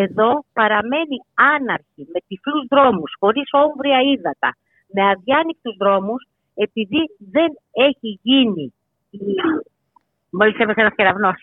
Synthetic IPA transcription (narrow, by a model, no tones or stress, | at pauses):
e̞ðo̞pɐɾɐme̞niɐnɐɾçime̞t̪ifluzðɾo̞musxo̞ɾiso̞ɱvɾiɐiðɐt̪ɐ̰ | me̞ɐðjɐnik̚t̪uzðɾo̞mus | e̞piðiðe̞ne̞çiʝini | i | molist̪emeseɐsçeɾɐvno̞s